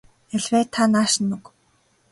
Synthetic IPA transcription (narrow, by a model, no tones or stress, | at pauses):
æɮʲwæːt̪ʰanaːʃ̆nːuk